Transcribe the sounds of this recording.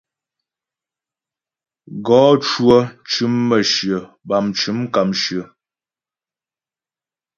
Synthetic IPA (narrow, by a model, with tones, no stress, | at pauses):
ɡɔː˨˦t͡ʃwə˦t͡ʃʉ˨˦mːə˨ʃjə˨ | ba˨mt͡ʃʉ˨˦mka˨mʃjə˨